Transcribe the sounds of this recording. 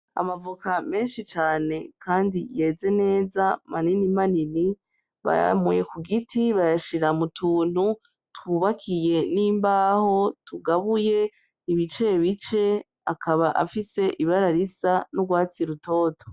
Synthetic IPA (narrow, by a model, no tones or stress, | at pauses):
a̰mavukame̞ːnʃit͡ʃaːne̞kʰaːndije̞ːze̞ne̞ːzamaninimanini | βa̰ja̰muje̞kuɡitʰiβajaʃiɾamutʰuːn̥hu | twuːβakʰije̞niːmbaːho̞tuɡaβuje̞ | iβit͡ʃe̞βit͡ʃe̞ | akʰaβaʔa̰fise̞ʔiβaɾaɾisanoɡwaːt͡siɾutʰo̞ːtʰo